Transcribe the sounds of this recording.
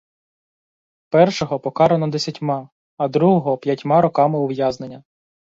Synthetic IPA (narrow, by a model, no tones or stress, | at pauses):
pɛrʃɔɦɔpɔkɑɾenɔd̪esʲɐtʲmɑ | ɐd̪ɾuɦɔɦɔpʲjɐtʲmɑɾɔkɑmɪʊʋjɑznenʲːɐ